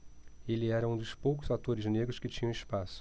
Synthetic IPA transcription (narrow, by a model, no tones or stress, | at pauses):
elɪɛɾɐũd̪ʊspowk̬ʊzat̪oɾɪzneɡɾʊskɪt͡ʃĩɲɐ̃w̃ɪspasʊ̥